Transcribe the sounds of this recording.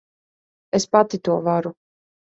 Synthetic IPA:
espat̪it̪uɔvaɾu

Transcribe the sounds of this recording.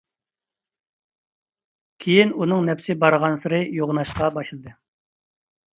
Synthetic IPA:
kʲʰejinunɨŋnɛpsɪbɑɾʁɑnsɨɾɨjoʁnɑʃqɑbɑʃlˠɨd̪ɨ

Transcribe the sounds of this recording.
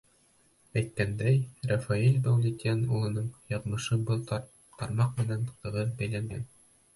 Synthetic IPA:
æjt̪̚kænd̪æjrafailʲbæwd̪ʲit̪ʲænulˠɤ̆nɤɴjɑʁmɤ̆ʃɤbɤlˠ | t̪ɑɾmɑqmɘ̆nænq̪ɤ̆ʁɤðbæjlæŋɡæ̰n

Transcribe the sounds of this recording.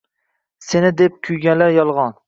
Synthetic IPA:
senɪd̪ep̚kʲʰʊjɡʲanlaɾjɒlˠʁɑn

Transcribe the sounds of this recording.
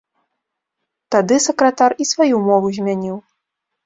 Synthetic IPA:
t̪ad̪ɨsɐkɾɐt̪arisvajumɔvuzʲmʲanʲiw

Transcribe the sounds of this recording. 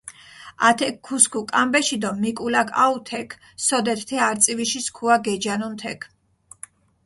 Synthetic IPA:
at̪ʰɛkʰːuskʰukʼambɛʃid̪ɔmːikʼulakʰa̰ut̪ʰɛkʰ | sɔd̪ɛt̪ʰt̪ʰɛaɾt̪sʼiviʃiskʰuaɡɛd͡ʒanunt̪ʰɛ̰kʰ

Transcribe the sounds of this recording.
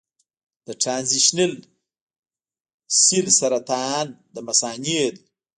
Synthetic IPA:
d̪̥əʈɾanziʃnel | silsaɾat̪and̪əmasɑniel

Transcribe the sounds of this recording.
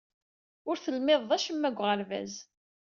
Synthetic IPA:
ʊɾθəlmɪðˤːæʃəmːæɡʷʁəɾvæ̰z

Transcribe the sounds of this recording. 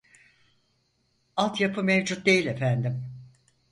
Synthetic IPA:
alˠt̪japʰɯmevd͡ʒut̪̚d̪e̞jilʲe̞fænd̪im

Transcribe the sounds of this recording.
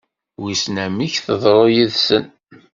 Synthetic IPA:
wisnæmiçθəðˤɾˤojiðsən

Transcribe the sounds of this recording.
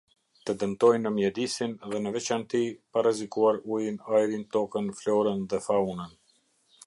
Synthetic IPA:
t̪əd̪əmt̪ɔjnəmjɛd̪isinðɛnəvɛt͡ʃant̪iparəzikuaɾujinajɾint̪ɔkənflɔɾənðɛfaunən

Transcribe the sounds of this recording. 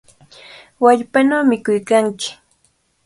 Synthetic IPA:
waʎpanawmɪkʊjkaŋkɪ̥

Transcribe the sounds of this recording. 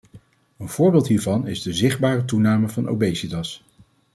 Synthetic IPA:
ənv̥ʊːɹbɪːlˠtɦiːɹvɑnɪzdəzɪχd̚baːrətunaːməvɑno̰wbejsidɑs

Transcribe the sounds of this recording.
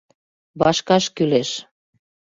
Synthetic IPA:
βɑʃkɑʃkyleʃ

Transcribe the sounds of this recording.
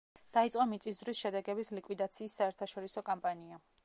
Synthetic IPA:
d̪̥ait̪sʼɔmit̪sʼiszɾwisʃɛd̪ɛɡɛbislikʼwid̪at̪sʰiːsːaɛɾt̪ʰaʃɔɾisɔkʼampʼania

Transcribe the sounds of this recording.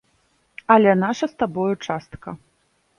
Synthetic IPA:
ɐlʲɛnaʂɐst̪abɔjɐt͡ʂast̪kɐ

